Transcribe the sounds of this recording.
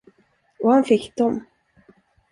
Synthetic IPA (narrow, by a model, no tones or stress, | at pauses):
ɔhanfɪkːd̪ɔm